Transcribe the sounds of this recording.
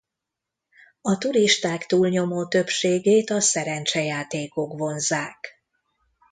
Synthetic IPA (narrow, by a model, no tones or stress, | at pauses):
ɒt̪uɾiʃt̪aːkt̪uːlɲo̞moːt̪ø̞pʃeːɡeːt̪ɒsɛɾɛnt͡ʃɛjaːt̪eːko̞kʋo̞nzaːk